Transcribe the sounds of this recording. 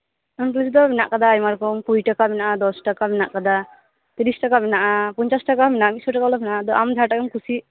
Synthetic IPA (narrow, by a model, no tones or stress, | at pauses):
ɔnklisd̪ɔminaʔkad̪aːjmaɾkɔmkujʈakabɛnaʔad̪ɔsʈakabinaʔkad̪a | t̪iɾisʈakamɛnaʔapɔɲt͡ʃasʈakaminaamisɔʈakalɔminaʔad̪ɔʔamd͡ʒʱaʈakɔmkusi